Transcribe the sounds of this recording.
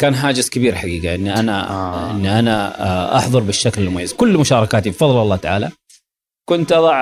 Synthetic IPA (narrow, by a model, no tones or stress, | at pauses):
kaːnɦaːd͡ʒɪskɪbiːɾħaɡiːɡaʔɪnːiʔana̰ʔɪnːiʔanaʔɑ̰ħðˤʊɾˤbɪʃːaklɪlmʊajːazkʊlːmʊʃɑːɾˤɑkaːt̪ibfɑðˤlɑlːɑːt̪aʕaːla | kʊnt̪ʔɑðˤɑʕ